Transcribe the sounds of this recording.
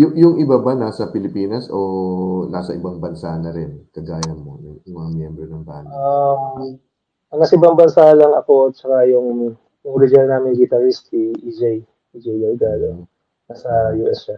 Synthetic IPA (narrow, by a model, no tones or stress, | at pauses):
jʊŋjʊŋʔɪbabɐnaːsɐpɪlɪpiːnɐsonaːsɐʔɪbɐŋbɐnsanɐɾɪnkɐɡaːjɐmo̞̰jʊŋŋmɐŋamjɛmbɾonɐŋba̰ːla | ʔɐŋnɐkʔɪbɐŋbɐnsalɐŋɐko̞t͡ʃɐkajʊŋ | jʊŋɾɪd͡ʒalnamɪnɡɪt̪ɐɾist̪iʔid͡ʒaj | id͡ʒɛjɡɐjɡalo | nasɐjuʔɛsʃa